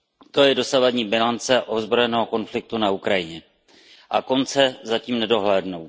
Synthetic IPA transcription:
t̪o̞jɛdo̞savadɲiːbɪlant͡sɛʔozbɾo̞jɛnɛːɦoko̞nflɪk̚t̪unaukɾajɪɲɛ | ʔako̞nt͡sɛzaciːmnɛdo̞ɦlɛːdnow

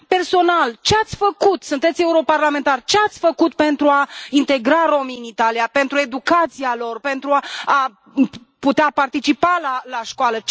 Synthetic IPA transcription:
pe̞rso̞nalt͡ʃeat̪sʲfəkut̪sunt̪e̞t̪sʲeuɾo̞parlame̞nt̪art͡ʃeat̪sʲfəkut̪̚pe̞nt̪ɾuaint̪e̞ɡɾaɾo̞miɨnit̪alijape̞nt̪ɾue̞d̪ukat̪sialo̞rpe̞nt̪ɾua | put̪eapart̪it͡ʃipalalaʃkoalə

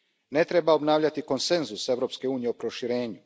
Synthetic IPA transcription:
ne̞t̪ɾe̞baobnaːʋʎat̪iko̞nse̞nzusevɾo̞pske̞uːnije̞opɾo̞ʃiɾe̞ːɲu

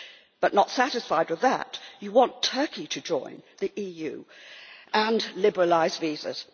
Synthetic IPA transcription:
b̥ʌʔnətsæɾɨsfaɪd̚wɨðə̰t͡ʃɨwɑ̃ntʰɜ˞kiɾʰɨd͡ʒɔ̰̃ɪ̃nðiʔijʉ̰ | ʔə̃nlɪbə˞əlaɪzvizə̰z̥

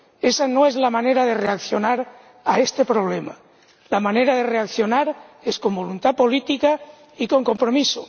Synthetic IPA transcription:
esanoezlamaneɾaðereakθjonaɾ | aest̪epɾoβlema | lamaneɾaðereakθjo̞naɾeskombolunt̪apolit̪ika | ikoŋko̞mpɾomiso

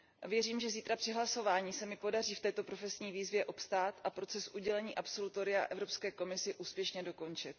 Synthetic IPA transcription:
vjɛriːmʒɛziːt̪ɾapr̥ɪɦlaso̞vaːɲiːsɛmɪpo̞dariːft̪ɛːt̪o̞pɾo̞fɛsɲiːviːzvjɛʔo̞pst̪aːt̪ʔapɾo̞t͡sɛsʔuɟɛlɛɲiːʔapso̞lut̪o̞ɾɪa̰ʔɛvɾo̞pskɛːko̞mɪsɪʔuːspjɛʃɲɛdo̞ko̞nt͡ʃɪt̪

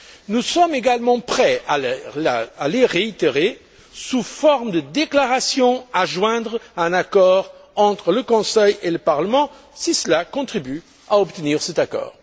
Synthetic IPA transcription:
nusɔmeɡalmɑ̃pχɛa | aleʁeit̪eʁe | sufɔʁmd̪əd̪eklaʁasjɔ̃aʒwɛ̃d̪ʁɛ̃nakɔʁɑ̃t̪χələkɔ̃sɛjeləpaʁləmɑ̃ | sisəlakɔ̃t̪χiby | aɔpt̪əniːʁsɛt̪akɔ̰ːʁ

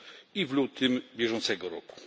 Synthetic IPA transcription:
ivlut̪ɘmbʲjɛʐɔnt̪sɛɡɔɾɔ̰ku̥

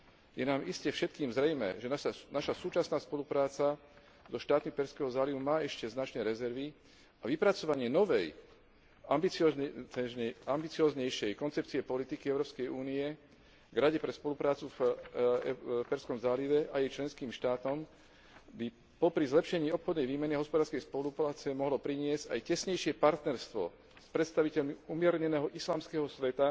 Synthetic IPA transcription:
jɛnaːmiscɛfʃɛt̪kiːmzɾɛjmɛ̰ʒɛnanaʃasuːt͡ʃasnaːspɔlupɾaːt͡sa | zɔʃt̪aːt̪mipɛɾskɛɦɔzaːliʋumaːɛʃcɛznat͡ʃnɛːɾɛzɛɾʋi | aʋipɾat͡sɔʋaɲɪɛnɔʋɛj | ambit͡sɔɛɛambit͡siɔːzɲɛjʃɛjkɔnt͡sɛp̚t͡siɛpɔlit̪ikiɛʊɾɔːpskɛjuːniɛ | ɡɾaɟɛpɾɛspɔlupɾaːt͡sufɛpɛɾskɔmzaːliʋɛʔajɛjt͡ʃlɛnskiːmʃt̪aːt̪ɔm | bi | pɔpɾizlɛpʃɛɲiːɔpxɔd̪nɛjʋiːmɛniɦɔspɔd̪aːɾskɛjspɔlupɾaːt͡sɛmɔɦlɔpɾiɲɪɛz̥a̰jcɛsɲɛjʃɪɛpaɾt̪nɛɾst̪ʋɔ̰ | spɾɛt̪st̪aʋicɛʎmiumɪɛɾɲɛnɛːɦɔʔislaːmskɛːɦɔsʋɛt̪a

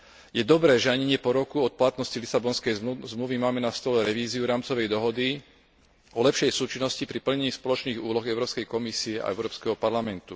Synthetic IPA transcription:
jɛd̪ɔbɾɛːʒɛaɲɛɲɪɛpɔɾɔkuɔt̪̚plat̪nɔscilisabɔnskɛjzmluʋimaːmɛnast̪ɔlɛɾɛʋiːziuɾaːmt͡sɔʋɛjd̪ɔɦɔd̪i | ɔlɛpʃɛjsuːt͡ʃinːɔscipɾipl̩ɲɛɲiːspɔlɔt͡ʃniːɣuːlɔɣɛʊɾɔːpskɛjkɔmisiɛa̰ɛʊɾɔːpskɛɦɔpaɾlamɛnt̪u

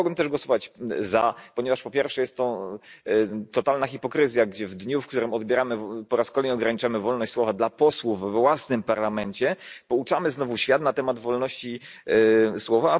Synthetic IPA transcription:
ɡwɘmt̪ɛʐɡwɔsɔvat͡ɕzapɔɲɛvaʂpɔpʲjɛɾfʂɛjɛst̪t̪ːɔ | t̪ɔt̪alnaxʲipɔkɾɘzʲjaɡd͡ʑɛvd̪ɲufk̚t̪uɾɘmɔd̪̚bʲjɛɾamɘpɔɾaskɔlɛjɔɡɾaɲit͡ʂamɘvɔlnɔɕt͡ɕʲswɔvad̪lapɔswufːwasnɘmpaɾlamɛɲt͡ɕɛpɔut͡ʂamɘznɔvuɕfʲjat̪nat̪ɛmad̪vɔlnɔɕt͡ɕi | swɔva

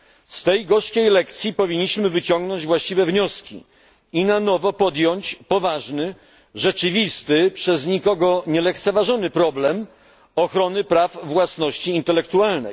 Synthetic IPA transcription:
st̪ɛjɡɔʂkʲejlɛk̚t̪sʲjipɔvʲiɲːiɕmɘvɘt͡ɕɔŋɡnɔɲd͡ʑvwaɕt͡ɕivɛvɲɔskʲḭ | inanɔvɔpɔd̪jɔɲt͡ɕpɔvaʐnɘ | ʐɛt͡ʂɘvʲist̪ɘpʂɛzɲikɔɡɔɲɛlɛk̚t̪sɛvaʐɔnɘpɾɔblɛm | ɔxɾɔnɘpɾavvwasnɔɕt͡ɕiːnt̪ɛlɛkt̪ualnɛ̰j

